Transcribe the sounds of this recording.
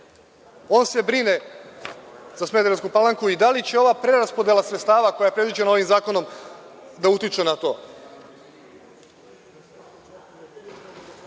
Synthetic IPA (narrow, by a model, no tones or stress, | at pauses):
o̞ːnse̞bɾine̞ | zasme̞d̪eɾnskupalaŋkuid̪alit͡ɕe̞o̞ʋapɾe̞ɾaspo̞d̪e̞lˠasɾet̪st̪aːʋako̞jajepɾe̞d̪id͡ʑenao̞ʋimzaːko̞no̞m | d̪aut̪it͡ʃenat̪o̞ː